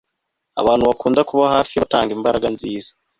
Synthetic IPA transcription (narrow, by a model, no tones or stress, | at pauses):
a̰βaːnhuβakuːndakuβahaːfijaataːŋɡimbaɾaɡanziːzḁ